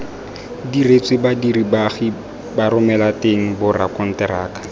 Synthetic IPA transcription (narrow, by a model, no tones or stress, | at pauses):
diret͡sʼwɪbadiribaχi | baɾʊmɛlateŋ̩bʊra̰kʼɔn̩tɛɾaːkʼḁ